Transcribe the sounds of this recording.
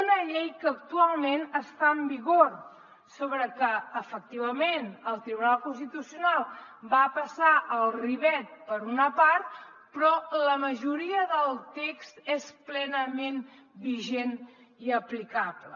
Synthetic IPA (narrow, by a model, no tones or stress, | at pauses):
unəʎejkəːkt̪ualˠmenəst̪aəmbiɣor | soβɾəkəːfək̚t̪iβ̞əmenəlˠt̪ɾiβunalˠkunst̪it̪usiunalˠbapəsaʔəlˠriβɛt̪̚pəɾunəpaɾt̪̚ | pɾɔləməʒuɾiəðəlˠt̪ekst̪esplɛnəmenbiʒen | iəplikaβlə̰